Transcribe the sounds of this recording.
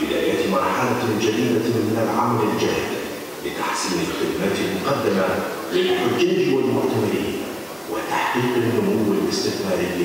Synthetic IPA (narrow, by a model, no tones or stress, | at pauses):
bɪd̪aːjaːt̪mɑɾˤħalad͡ʒad̪iːd̪amɪnalʕamaɾɪld͡ʒaːɾɪd̪ | lɪt̪aħsiːmɪlkʊd̪maːt̪ɪlmʊqɑd̪ːama | lɪlʊfɪld͡ʒaːd͡ʒiwalmʊʔt̪amɪɾɪh | wɪt̪aħqiːqɪlʔʊmuwɪlʔɪst̪ɪkmaːɾɪ